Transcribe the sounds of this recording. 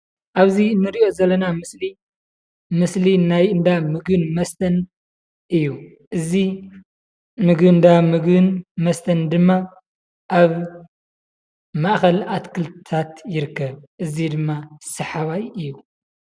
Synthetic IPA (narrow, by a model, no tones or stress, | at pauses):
ʔaβzinːɨɾiʔo̞zɐlːɐnamɨsli | mɨslinajɨnd̪amɨɡɨnmɐst̪ʰɐn | ʔɨjːu | ʔɨzi | mɨɡbɨnd̪amɨɡɨnmɐst̪ʰɐnd̪ɨmːa | ʔaβ | maʔxɐlat̪kʰɨlt̪ʰat̪jɪɾɨkːɐβʔɨzid̪ɨmːasɐħaβajɨjːu